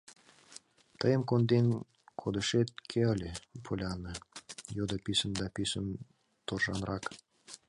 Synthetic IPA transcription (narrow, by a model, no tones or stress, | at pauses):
t̪əjə̆mkond̪enʲ | kʰod̪ə̆ʃet̪̚kʰʲeəlʲepʰolʲɑnɤ̆jod̪ɤpʲisə̆nd̪ɑpʲisən | t̪orʒɑ̰nrɑk